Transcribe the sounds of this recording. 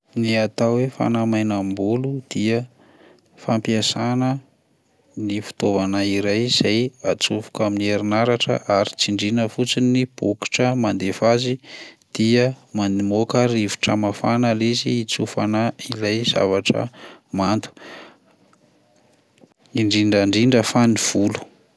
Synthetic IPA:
niat̪awefa̰namajnambulud̪̥iə | fampiasanə | nifu̥t̪ovanaiɾajz̥ajat͡sufu̥kaminieɾinaɾaʈ͡ʂə̰ʔaɾit͡siɳɖ͡ʐinəfut͡sinib̥uki̥ʈ͡ʂəmand̪efazid̪̥iəmanimokəɾivi̥ʈ͡ʂəmafanəliziːt͡sufanailajz̥a̰vaʈ͡ʂə̰mant̪u̥ | iɳɖ͡ʐiɳɖ͡ʐaɳɖ͡ʐiɳɖ͡ʐəfaniv̥ulu̥

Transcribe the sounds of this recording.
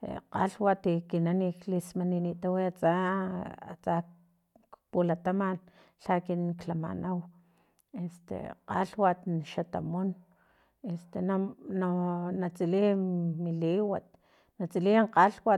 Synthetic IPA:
qa̰ɬwat̪ikinaniklismaninit̪awiat͡sa | a̰t͡sa | pulat̪aman | ɬakinklama̰nʔaw | est̪ḛqa̰ɬwat̪ʃat̪a̰mon | est̪enananat͡silimiliwat̪̚ | nat͡siliɴqaɬwa

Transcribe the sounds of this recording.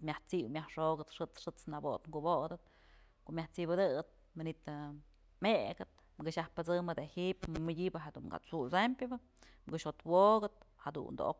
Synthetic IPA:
mjaht͡siwmʲahʂoɡɨt̪ʂɨt͡sʂɨt͡snabot̪ŋɡubod̪ɨt̪̚ | koʔmʲaht͡sibɨd̪ɨɨt̪̚ | manit̪ | meɡɨt̪̚ | mɡɨʃahpɨt͡sɨmɨd̪ehipɨmɨdʲibɨɦed̪uŋɡa̰t͡susampʲjɨbɨ | mɡɨʃhot̪woɡɨt̪̚had̪ṵnd̪o̰ʔo̰k

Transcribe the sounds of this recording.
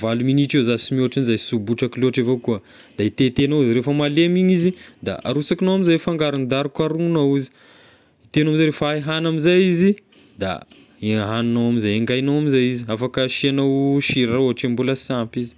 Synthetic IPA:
valuminiʈ͡ʂezasimioʈ͡ʂinizajsubuʈ͡ʂakiloʈ͡ʂevokuə | d̪̥ait̪et̪enowiziɾefəmalemiɲizid̪a̰a̰ɾusakinowamizajfaŋɡaɾund̪aɾukaɾunawuzi̥ | it̪enamizajɾefaeɦanamizajizi | d̪a̰ | eɦannawamizajeŋɡajnawamizajiziafakəʃianawʃiɾaoʈ͡ʂembuləsampizi̥

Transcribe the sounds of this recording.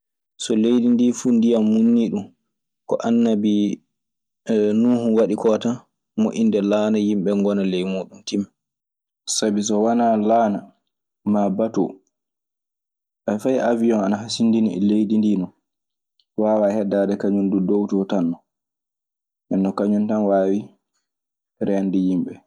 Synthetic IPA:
sɔlejdindifuːndijamːunːiɗum | kɔ̰ʔanːabi | nuːhuwaɗikɔta | moʔindɛlanajimɓɛŋɡɔnalɛjmuːɗumtim | sabis̬ɔwanalaːna | mabatṵ | ʔafajʔavijɔnanaɦasindiniɛ̰lejdindiːnɔ | waːwahɛdːaːdɛkaɲundudowtɔtanːɔ | ʔɛnːɔkaɲuntanwaːwi | ɾɛndijimɓɛ

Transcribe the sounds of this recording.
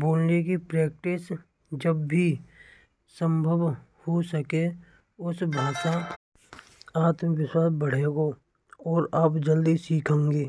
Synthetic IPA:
boːlnekipɾɛːk̚ʈɪs | d͡ʒəbːi | sə̃mbʱəʋhosəke | ʊsbʱaːʃa | aːt̪məʋɪswaːs̚bəɽ̤eːɡo | ɔːɾaːpd͡ʒəld̪isiːkʰãːŋɡeː

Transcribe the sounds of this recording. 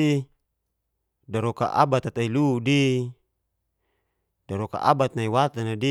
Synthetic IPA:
i | daɾɔka̰ʔa̰bat̪at̪ailudi | daɾɔka̰ʔa̰bat̪̚naiwat̪anadi

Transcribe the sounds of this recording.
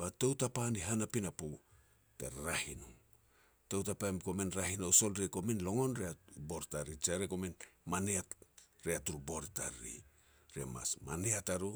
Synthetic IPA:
bato̞wtapaniɦanapinapu | tḛɾɾahinu | towtapamko̞menɾahinoso̞lɾeko̞menlo̞ŋo̞nɾeabo̞ɾtaɾit͡ʃaɾeko̞menmaneaɾeatuɾuboɾtaɾḭ | ɾema̰smaneataɾu

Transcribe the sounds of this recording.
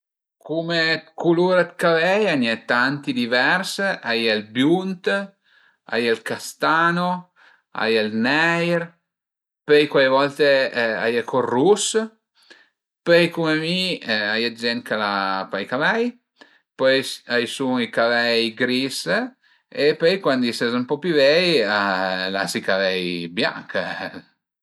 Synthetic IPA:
kumekʰuluɾad̪kavɛjaɲɛt̪ant̪id̪ivɛɾsʔajɛlbjunt̪ | a̰jelkast̪ano | a̰jɛlnɛjɾ | pɛjkwajvɔlt̪ea̰jakʰɔrːus | pøjkumemiajad͡ʒɛnt̪kalapajkavɛj | pɔjajsuŋikavɛjɡɾis | epøjkwand̪isɛzampɔpjuvɛjala̰sikavɛjbja̰ŋk

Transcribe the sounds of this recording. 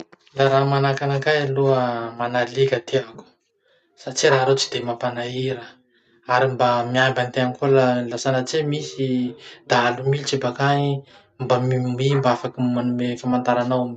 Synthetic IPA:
laɾamanakanakajaluəmanalikʲat̪ʰeaku̥ | sat͡ʃiɾaɦɾet͡si̥d̪emapanaiɾə | aɾimbamiambant̪eankulalasanat͡semisid̪̥aalumilt͡ʃibakani | mbammimbaafakimanumefamant̪aɾanawam

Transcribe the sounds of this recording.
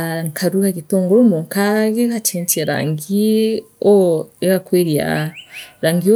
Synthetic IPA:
ŋkʰaɾuɣaɡitoŋɡoɾomuŋkaɡeɡat͡ʃent͡ʃieɾa̰ːŋɡi | oeɡakweɾia̰ɾaːŋɡio

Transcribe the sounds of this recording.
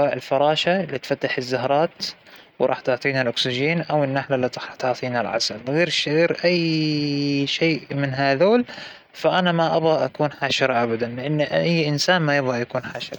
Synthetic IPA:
waːʔɪlfɑɾˤɑːʃaɪlːiːt̪fat̪ːaħɪzːahɾˤɑːt̪ | wɾˤɑ̰ːħt̪ʊʕt̪ˤiːnalʔʊksɪʒeːnʔawɪnːaħlalːit̪ˤɑħt̪ɑʕt̪ˤiːnalʕa̰salɣeːɾʃɣeːɾʔajː | ʃeːʔmɪnɦaðoːl | faʔanamaʔabɣaʔakuːnħaːʃɪɾˤɑʔabad̪anlɪʔanːʔajːʔɪnsaːnmajɪbɣajakuːnħaːʃɪɾˤɑ

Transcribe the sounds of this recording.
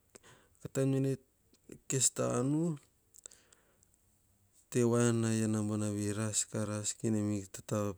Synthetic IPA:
katamene | kesta̰ːnu | tewanajanambonaβiɾaskaɾaskinemiktata

